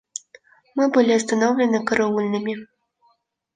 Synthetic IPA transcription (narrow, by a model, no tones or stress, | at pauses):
mɨbɨlʲiɐst̪anɔwlʲɛnɨkɐɾaulʲnɨmʲi